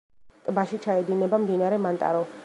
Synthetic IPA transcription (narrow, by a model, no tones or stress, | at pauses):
t̪ʼbaʃit͡ʃʰaɛd̪inɛbamd̪inaɾɛmant̪ʼa̰ɾɔ